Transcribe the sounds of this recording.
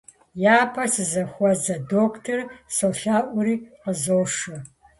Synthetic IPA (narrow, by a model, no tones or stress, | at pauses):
jaːpʰɐsɨzɐxʷɔzɐdoːkʷʰtʰɐrsɨwɬaːʔʷʊɾiːqəzoːʂɨ